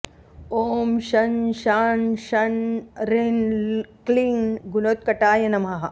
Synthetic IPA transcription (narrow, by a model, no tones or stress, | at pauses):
oːmʃɐnʃaːnʃɐnɾenkliːnɡunoːt̪̚kɐʈaːjɐnɐmɦɐɦɐ̆